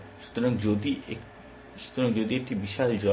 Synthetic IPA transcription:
ʃu̥t̪oɾaŋd͡ʑod̪ie | ʃu̥t̪oɾaŋd͡ʑod̪iek̚ʈibiʃald͡ʑɔ

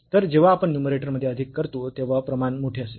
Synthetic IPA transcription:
t̪əɾd͡ʑeʋ̤aːpəɳnjumeɾeʈəɾməd̪ʱːjeəd̪ʱikːəɾt̪ot̪eʋ̤apɾəmanmoʈʰeəse

